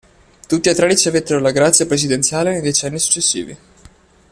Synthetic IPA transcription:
t̪ut̪ːiat̪ːɾaɾit͡ʃiavet̪ːeɾolaɡɾat̪sjapɾesid̪ent̪sjaːlenejd̪et͡ʃɛnːisu̥t͡ʃːesːḭːvi

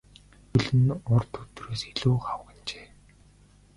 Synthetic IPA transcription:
xɵɮɘ̆nɔrt̪ʰɵt̪reːsiɮuːχawɡɪ̆nt͡ɕeː

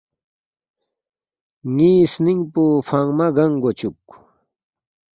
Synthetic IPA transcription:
ŋisnɪŋpuɸaŋmaɢɑŋɡat͡ʃʊk

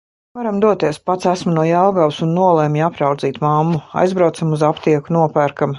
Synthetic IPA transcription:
vaɾamd̪uɔt̪iɛspat̪sæsmunuɔjalˠɡawsunːuɔlˠɛmapɾawd̪ziːt̪mamːua̰jzbɾawt̪samuzapt̪iɛkunuɔpæːɾkam

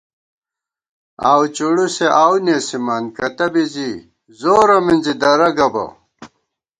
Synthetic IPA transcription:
a̰ːwt͡ɕuɽuseʔaːwneːsimaːnkɐt̪ɐbizi | zoːɾɐminzid̪ɐɾɐɡɐbɐ̰

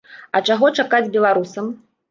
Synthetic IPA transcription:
ɐt͡ʂaɣɔt͡ʂakad͡zʲbʲɛlˠaɾusɐm

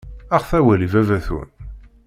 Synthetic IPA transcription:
æχθæwælivævæθṵn

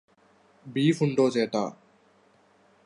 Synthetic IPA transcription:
biːfuɳɖoːt͡ʃeːʈa̰ː

